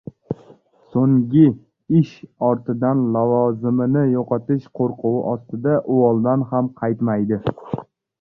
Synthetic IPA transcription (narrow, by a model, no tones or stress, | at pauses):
soŋɡʲɪ | ɪʃɒɾt̪ɪd̪anlavɒzɪmɪnɪjoqʰɒt̪ɪʃqʰoɾqʰʊwɪ̰ʔɒst̪ɪd̪aʔʊɒlˠd̪anɦamqʰɑjt̪majd̪ɪ